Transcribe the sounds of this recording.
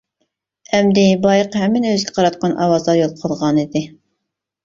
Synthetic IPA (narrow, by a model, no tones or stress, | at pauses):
ɛmd̪ɪbɑjəqhɛmːɪnøzɡʲɛqʰɑɾɑt̪̚qɑnʔɑ̰wɑzlˠɑɾjolˠqʰəlˠʁɑnid̪ɪ